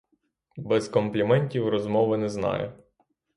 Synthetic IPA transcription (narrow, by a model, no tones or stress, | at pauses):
bɛzkɔmplʲimɛnʲtʲiwrɔzmɔʋɪnɛznɑ̰jɛ̰